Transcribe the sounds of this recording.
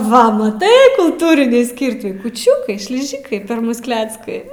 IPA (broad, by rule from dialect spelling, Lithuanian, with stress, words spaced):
ˈʋɐ mɐˈtɐɪ kʊlˠˈtuːrʲɪnʲiː ˈsʲkʲɪrʲtʲiː kuːˈt͡ʃʲʊkɐɪ ʃʲlʲɪˈʒʲɪkɐɪ pʲɛr ˈmʊs ˈklʲæːt͡skɐɪ